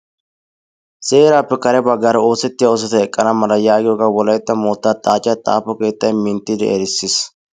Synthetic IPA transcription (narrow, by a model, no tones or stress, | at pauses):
seːɾaːpːɛkɐɾɛbɐɡɐɾɐo̞ːsɛt̪ːɪjaɔs̬ɐt̪ɐɛkʼːɐnɐmɐlɐjaːɡɪd̪oːɡɐwɔlɐjt̪ːɐmoːt̪ːaːt̪ʼːaːt͡ʃʼːɪjɐt̪ʼa̰ːpɔke̞ːt̪ːɐjmɪnt̪ːɪd̪ɛ̰ʔɛɾɪsːɪs